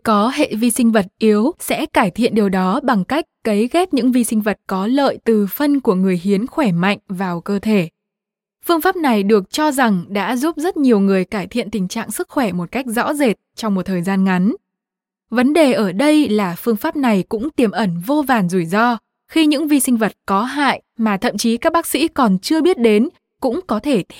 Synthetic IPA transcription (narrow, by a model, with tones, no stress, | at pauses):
kɔ˨˦ɦḛ˧˨vi˧sï˧ŋ̟və˨˩t̚ʔi˨˦əwsɛ̰˧˥kaː˧˩jt̪ʰḭ˧˨ənɗi˨˩əwɗɔ˨˦ɓa˨˩ŋka˦˥jk̟̚kə˨˦jɣɛ˦˥t̚ɲɨ̰˧˥ŋvi˧sï˧ŋ̟və˨˩t̚kɔ˨˦lə̰ː˧˨jt̪ɨ˨˩fə˧nku˧˩əŋɨ˨˩əjɦi˨˦ənxwɛ˧˩ma̰˧˨jŋ̟vaː˨˩wkəː˧t̪ʰe˧˩ | fɨ˧əŋfaː˦˥p̚na˨˩jɗɨ˨˩ək̚t͡ɕɔ˧za˨˩ŋɗa̰ː˧˥zu˦˥p̚zə˦˥t̚ɲi˨˩əwŋɨ˨˩əjkaː˧˩jt̪ʰḭ˧˨ənt̪ï˨˩ŋ̟t͡ɕa̰ː˧˨ŋsɨ˦˥k̚xwɛ˧˩mo˨˩t̚ka˦˥jk̟̚zɔ̰˧˥ze˨˩t̚t͡ɕɔ˧wŋ͡mmo˨˩t̪ʰəː˨˩jzaː˧nŋa˨˦n | və˨˦nɗe˨˩ʔəː˧˩ɗə˧jlaː˨˩fɨ˧əŋfaː˦˥p̚na˨˩jkʊ̰˧˥ŋ͡mt̪i˨˩əmʔə˧˩nvo˧vaː˨˩nzu˧˩jzɔ˧ | xi˧ɲɨ̰˧˥ŋvi˧sï˧ŋ̟və˨˩t̚kɔ˨˦ɦa̰ː˧˨jmaː˨˩t̪ʰə̰˧˨mt͡ɕi˨˦kaː˦˥k̚ɓaː˦˥k̚sḭ˧˥kɔ˨˩nt͡ɕɨ˧əɓi˦˥ət̚ɗe˨˦n | kʊ̰˧˥ŋ͡mkɔ˨˦t̪ʰe˧˩